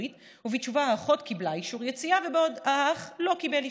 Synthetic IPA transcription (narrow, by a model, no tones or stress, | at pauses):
it | uvit͡ʃuvaaːχo̞tkiblaiʃuʁjet͡siavebeodaaχlo̞kibeli